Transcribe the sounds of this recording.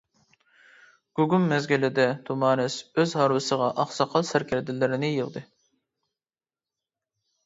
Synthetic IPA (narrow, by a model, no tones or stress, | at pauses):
ɡ̥uɡumːɛzɡʲilɪd̪ɛt̪ʰumɑːnɛsøzɦɑːɾwɨsəʁɑʔɑχsɑqʰɑlˠsæɾkʲʰɛɾd̪ɪlɪɾɪnɪjəʁd̪ɨ